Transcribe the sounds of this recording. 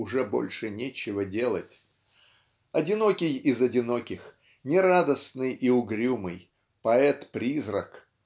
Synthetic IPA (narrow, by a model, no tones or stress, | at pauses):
ʊʐɛbo̞̰lʲʂɨnʲet͡ɕɪvədʲe̞lˠə̰tʲ | ɐdʲɪno̞kʲɪjɪzɐdʲɪno̞kʲɪx | nʲɪɾad̪əsnɨjʔiʊɡɾʲumɨj | pɐɛt̪pɾʲizɾək